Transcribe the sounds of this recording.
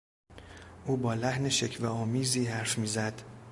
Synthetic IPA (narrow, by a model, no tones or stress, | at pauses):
ʔuːbɒːlæhneʃecʰvæɒːmiːziːɦæɾfmiːzæd̪̥